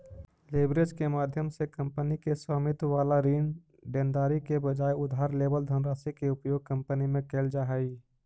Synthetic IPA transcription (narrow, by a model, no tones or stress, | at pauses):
leːbɾed͡ʒkemaːd̪ʱjəmsekə̃mpənikeswaːmɪt̪ʋaːlaɾiːn | ɖẽːnd̪aːɾikebəd͡ʒaːjʊd̪ʱaːɾleːbəld̪ʱənɾaːsikeʊpjoːɡ̚kə̃mpənimẽkeːld͡ʒaːɦɛi